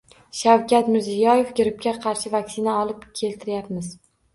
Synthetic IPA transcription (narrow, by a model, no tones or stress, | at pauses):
ʃawkʲat̪mɪɾzɪjɒje̞fɡʲɪɾɪp̚kʲaqʰɑɾʃɪvakʲsɪnaɒlˠɪpkʲʰe̞lt̪ʰɪɾjapmɪz̥